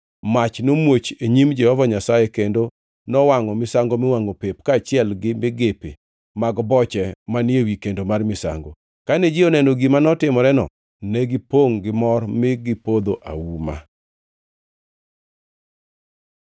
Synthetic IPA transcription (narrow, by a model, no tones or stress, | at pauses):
mat͡ʃnomwot͡ʃeɲimd͡ʒɛhɔvaɲasajekendo | nɔwaŋɔmɪsaŋɡomɪwaŋopep̚kaːt͡ʃɪɛlɡɪmɪɡepḛ | maɡbɔt͡ʃɛmanɪewikendomarmɪsa̰ŋɡo̰ | kanɛd͡ʒɪɔnɛndoɡimanɔtɪmɔɾɛnɔ̰ | nɛɡɪpoŋɡɪmɔrmɪɡɪpod̪oʔa̰wuma̰